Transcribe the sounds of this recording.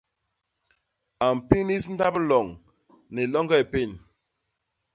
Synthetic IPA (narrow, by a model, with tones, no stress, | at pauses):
a˨mpi˦ni˦sn̩˦da˦plɔ˨ŋ | ne˨lɔ˦ŋɡa˦e˨pe˦˨n